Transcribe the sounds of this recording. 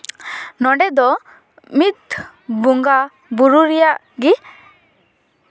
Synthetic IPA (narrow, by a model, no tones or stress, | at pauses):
nɔɖɛd̪ɔ | mit̪̚ | buŋɡa | buɾuɾijaʔ | ɡi